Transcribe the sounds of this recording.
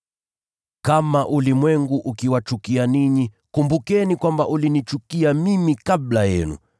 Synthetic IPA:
kamaʔulimwɛŋɡuʔukiwat͡ʃukianiɲi | kumbukɛnikwambaʔulinit͡ʃukiamimikablajɛ̰nṵ

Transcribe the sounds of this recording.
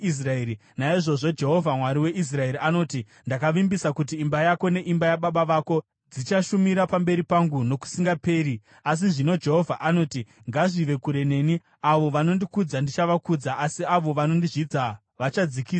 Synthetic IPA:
is̬raeːɾi | naiʐo̞ʐo̞d͡ʒe̞ɦo̞vʱamwaɾiwe̞ʔis̬rae̞ɾiano̞ːti | ndakaʋimbisakut̬iːmbajako̞ne̞ʔimbajaɓaɓaʋaːko̞ | d͡zit͡ʃaʃumiɾapambe̞ɾipaŋɡuno̞ku̥siŋɡape̞ːɾi | as̬iʐino̞d͡ʒe̞ɦo̞vʱaʔano̞ːti | ŋɡaʐiʋe̞kuɾe̞ne̞ːni | aʋo̞ʋano̞ndikud͡zandit͡ʃaʋakud͡zaʔːsiaʋoʋano̞ndiʐid͡za | ʋat͡ʃad͡zikiːsa

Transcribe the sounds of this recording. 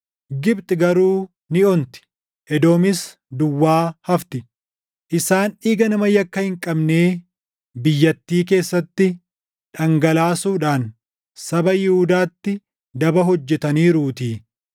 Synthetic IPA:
ɡɪbt̪ʼɪɡɐɾuː | nɪɔnt̪ɪ̥ | ʔɛd̪o̞ːmɪs | d̪ʊwːaːhɐft̪ɪ | ʔɪsaːnɪɡɐnɐmɐjɐkːɐhɪŋkʼɐbne̞ː | bɪjːɐt̪ːiːke̞ːsːɐt̪ːɪ | ᶑɐŋɡɐlaːsuːᶑaːn | sɐbɐjɪhʊd̪aːt̪ːɪ | d̪ɐbɐɦɔd͡ʒːɛt̪ɐniːɾuːt̪iː

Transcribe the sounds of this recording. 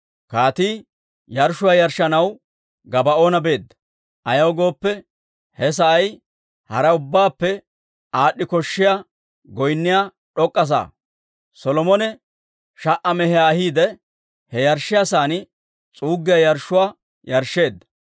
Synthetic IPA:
kaːt̪iː | jɐɾʃʊwaːjɐɾʃːɐnɐw | ɡɐbɐʔo̞ːnɐbe̞ːd̪ːɐ | ʔɐjɐwɡo̞ːpːɛ | hɛs̬ɐʔɐj | hɐɾɐʊbːaːpːɛ | aːɗːɪkɔʃːɪja | ɡɔjnːɪjaː | ɗɔkʼːɐs̬a̰ː | sɔlɔmɔnɛ | ʃɐʔɐmɛhɛaːhiːd̪ɛ | hɛjɐɾʃːɪjasaːnɪ | t͡sʼuːɡːɪjɐjɐɾʃːʊwaː | jɐɾʃːe̞ːd̪ːɐ̥

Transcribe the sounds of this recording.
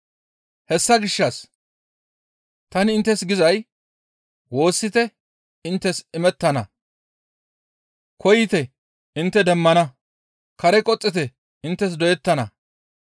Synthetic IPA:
hɛsːɐɡɪʃːɐs | t̪ɐnɪɪnt̪ːɛsɡɪzɐj | wo̞ːsːɪt̪ɛ | ɪnt̪ːɛsɪmɛt̪ːɐnɐ | kʰɔjɪt̪ɛ | ɪnt̪ːɛd̪ɛmːɐnɐ | kɐɾɛkʼɔt͡sʼːɪt̪ɛ | ɪnt̪ːɛs̬d̪ɔjɛt̪ːɐnɐ̰

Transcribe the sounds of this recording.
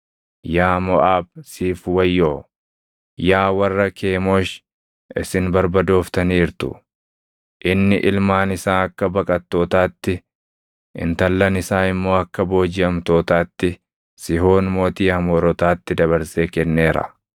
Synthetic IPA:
jaːmɔʔaːbsiːfwɐjːoː | jaːwɐrːɐkʰe̞ːmo̞ːʃ | ɪsɪnbɐɾbɐd̪o̞ːft̪ɐniːɾt̪ʊ̰ | ʔɪnːɪʔɪlmaːnɪsaːɐkːɐbɐkʼɐt̪ːo̞ːt̪aːt̪ːɪ | ɪ̰nt̪ɐlːɐnɪsaːɪmːo̞ːɐkːɐbo̞ːd͡ʒɪɐmt̪o̞ːt̪aːt̪ːɪ | sɪɦo̞ːnmo̞ːt̪iːɐmoːɾɔt̪aːt̪ːɪd̪ɐβɐɾseːkɛnːe̞ːɾɐ̰

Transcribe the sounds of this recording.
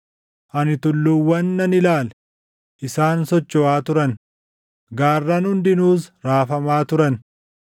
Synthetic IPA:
ʔɐnɪt̪ʊlːʊwːɐnːɐnɪlaːlɛ | ʔɪsaːnsɔt͡ʃːɔaːt̪ʊɾɐn | ɡaːrːɐnhʊnd̪ɪnuːsɾaːfɐmaːt̪ʊɾɐn

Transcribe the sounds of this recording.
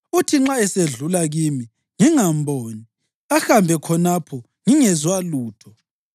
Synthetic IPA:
utʰiŋ͡ǁaɛseɮulaɣimi | ŋiŋambʱoːni | axambʱɛkʰɔnapʰɔ | ŋiŋɛzwaluːtʰɔ

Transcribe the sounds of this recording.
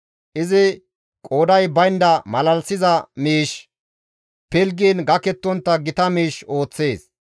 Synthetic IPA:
ʔɪzɪ | kʼoːd̪ɐjbɐjnd̪ɐmɐlɐlsɪzɐmiːʃ | pɛlɡiːnɡɐkɛt̪ːɔnt̪ːɐɡɪt̪ɐmiːʃo̞ːt͡sːe̞ːs

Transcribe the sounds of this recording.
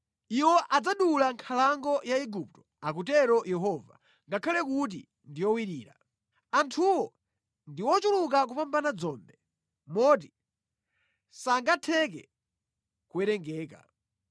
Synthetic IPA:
iwɔʔad͡zaɗulaŋkʰalaŋɡɔjaɛɡup̚tɔ̥ | akutɛɾɔjɛɦɔva̰ | ŋɡakʰalɛkut̬ḭ | ndijɔwiɾiːɾa̰ | antʰuwɔ | ndiwɔt͡ʃuluk̬ak̬upambanad͡zɔːmbɛ | mɔt̬i | saŋɡatʰɛk̬ɛ̰ | kuɛɾɛŋɡɛːka̰

